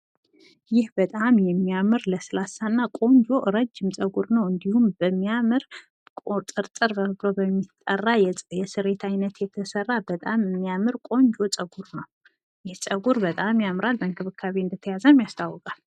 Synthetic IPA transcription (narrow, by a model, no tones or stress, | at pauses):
jɪhbət̪ʼamjɛmːiamɨɾləsɨlasanːakʼo̞ɲd͡ʒo̞ɾəd͡ʒːɪmt͡sʼəɡuɾnəwɨnd̪ihumbəmːijamɨɾ | kʼot̪ʼɨɾt̪ʼɨɾbəβlobəmːit̪ʼːə̰rːajjɛsɨɾe̞t̪ʰajnət̪jɛt̪ʰəsərːabət̪ʼamɨmːijamɨɾkʼo̞ɲd͡ʒo̞t͡sʼəɡuɾnəw | jɪhsʼəɡuɾbət̪ʼamjamɾalbəŋkʰɨβɨkʰːaβeɨnd̪ət̪ʰəjazəmjast̪ʰawːɔkʼal